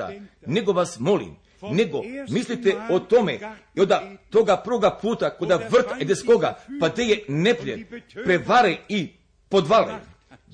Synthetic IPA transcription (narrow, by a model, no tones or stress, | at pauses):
a̰ | nɛɡoʋasmolḭm | nɛɡomislit̪ɛot̪omɛ | iod̪at̪oɡapɾvoɡapʰut̪akod̪avr̩t̪ɛd̪ɛskoɡapad̪ejenɛpʎʲɛpɾɛvaɾɛi | pod̪valɛ̰